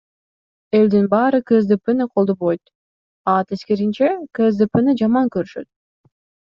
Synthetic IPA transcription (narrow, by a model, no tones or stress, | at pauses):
e̞ld̪inbɑːɾɯkɯzd̪ɨpɨnɨqʰo̞lˠd̪oβojt̪ | ɑt̪eskeɾint͡ʃekɯzd̪ɨpɨnɯd͡ʒɑmɑŋkøɾyʃø̞̰t̪̚